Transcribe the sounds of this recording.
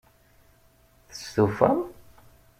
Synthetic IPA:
θə̥sθufæm

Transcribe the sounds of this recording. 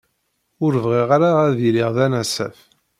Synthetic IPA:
ʊɾvʁiʁaɾaæðiliʁðænæsæ̰f

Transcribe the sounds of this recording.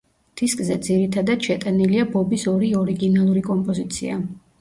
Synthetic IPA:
d̪̥iskʼzɛd̪ziɾit̪ʰad̪at̪ʃɛt̪ʼaniliabɔbisɔɾiɔɾiɡinalˠuɾikʼɔmpʼɔzit̪sʰḭa

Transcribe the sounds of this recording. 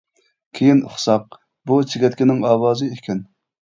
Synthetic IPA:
kʲʰejin̰χsɑp̚ | but͡ʃʰɪɡʲɛt̪̚ʲkʲɪnɪŋɑːwɑːzɨekʲʰɛn

